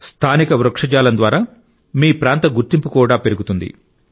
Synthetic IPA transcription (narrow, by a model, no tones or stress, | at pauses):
st̪ʰaːnikɐʋɾɐkʂɐd͡ʒaːlɐnd̪ʋaːɾaː | miːpɾaːnt̪ɐɡuɾt̪impukuːɽaːpe̞ɾuɡut̪und̪ḭ